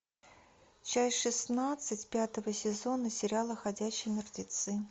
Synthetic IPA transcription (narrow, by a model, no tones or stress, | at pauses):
t͡ɕasʲʂɨsnat̪sɨtʲpʲat̪əvəsʲɪzo̞nəsʲɪɾʲɪalˠəxɐdʲæɕːɪjmʲɪrdʲɪt̪sɨ